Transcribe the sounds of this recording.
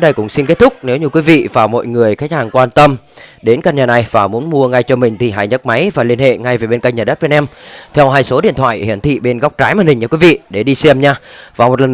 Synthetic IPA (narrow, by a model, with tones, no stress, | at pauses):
ɗə˧jkʊ̰˧˥ŋ͡msi˧nke˦˥t̚t̪ʰʊ˦˥k͡p̚ne˨˦wɲu˧kwi˨˦vḭ˧˨vaː˨˩wmɔ̰˧˨jŋɨ˨˩əjxa˨˦˥k̟̚haː˨˩ŋkwaː˧nt̪ə˧m | ɗe˨˦nka˧ɲaː˨˩na˨˩jvaː˨˩mu˨˦ənmu˧əŋa˧jt͡ɕɔ˧mï˨˩ŋ̟t̪ʰi˨˩ɦa̰ː˧˨jɲə˦˥t̚ma˨˦jvaː˨˩li˧ənhḛ˧˨ŋa˧jve˨˩ɓe˧nka˧ŋ̚ɲaː˨˩ɗə˦˥t̚ɓe˧nʔɛ˧mt̪ʰɛ˧wɦaː˧jso˨˦ɗḭ˧˨ənt̪ʰwa̰ː˧˨jhḭ˧˩ənt̪ʰḭ˧˨ɓe˧nɣwk͡p̚t͡ɕaː˨˦jmaː˨˩nhi̟˨˩ɲaː˧˩kwi˨˦vḭ˧˨ɗe˧˩ɗi˧sɛ˧mɲaː˧vaː˨˩mo˨˩t̚lə˨˩